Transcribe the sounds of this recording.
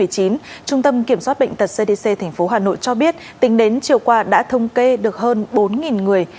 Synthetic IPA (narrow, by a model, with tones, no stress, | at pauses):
ɨ˨˩əjt͡ɕi˨˦nt͡ɕʊ˧ŋ͡mt̪ə˧mki˧˩əmswaː˦˥t̚ɓə̰˧˨jŋ̟t̪ə˨˩t̚se˧ɗe˧se˧t̪ʰɛ˨˩ŋ̟fo˨˦ɦaː˨˩no̰˧˨jt͡ɕɔ˧ɓi˦˥ət̚t̪ï˨˦ŋ̟ɗe˨˦nt͡ɕi˨˩əwkwaː˧ɗa̰ː˧˥t̪ʰə˧wŋ͡mke˧ɗɨ˨˩ək̚həː˧nɓo˨˦nŋi˨˩nŋɨ˨˩əj